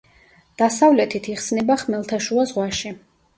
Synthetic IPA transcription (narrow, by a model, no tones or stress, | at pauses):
d̪̥asavlɛt̪ʰit̪ʰiχsnɛbaχmɛlˠt̪ʰaʃuazʁwaʃi